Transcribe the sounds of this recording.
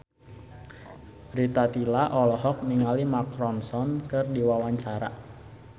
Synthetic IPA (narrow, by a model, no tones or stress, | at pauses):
rit̪at̪ilaʔɔlɔɦɔk̚niŋalimakɾɔnsɔnkɨrdiwawaɲt͡ʃaɾa̰